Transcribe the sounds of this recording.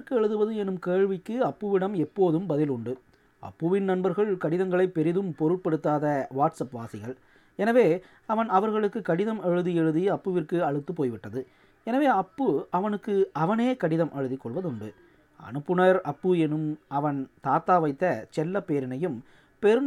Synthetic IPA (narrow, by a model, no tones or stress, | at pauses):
kːɯɛɻɯðɯʋɐðɯɛnɯmkeːɻʋɪkːɯɐpːɯʋɪɽɐmɛpːoːðɯmbɐðɪlʊɳɖɯ | ʔɐ̰pːɯʋɪnnɐnbɐɾɣɐɭkɐɽɪðɐŋɡɐɭɐɪpːɛɾɪðɯmpɔɾɯʈ̚pɐɽɯt̪ːaːðɐʋaːʈsɐpʋaːsɪɣɐɭ | ɛnɐʋeː | ɐʋɐnɐʋɐɾɣɐɭɯkːɯkɐɽɪðɐmɛɻɯðiɛɻɯðiɐpːɯʋɪrkɯɐɻɯt̪ːɯpoːjʋɪʈːɐðɯ | ɛnɐʋeːɐpːɯɐʋɐnɯkːɯɐʋɐneːkɐɽɪðɐmʔɛɻɯðɪkːɔɭʋɐðʊɳɖɯ | ɐ̰nɯpːɯnɐɾɐpːɯɛnɯmɐʋɐnt̪aːt̪aːʋɐɪt̪ːɐt͡ʃɛlːɐpeːɾɪnɐjɯm | pɛɾɯn